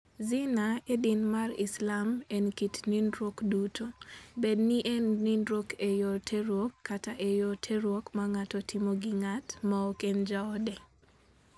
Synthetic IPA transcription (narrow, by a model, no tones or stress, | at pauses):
zɪnaedinmarɪ̰slamɛnkitnindɾokdutʰobedniʔɛnnindɾokejɔtʰeɾwokːataʔɛjɔtʰeɾwokmaŋatɔtʰimɔɡɪŋatmaɔkɛnd͡ʒaɔdɛ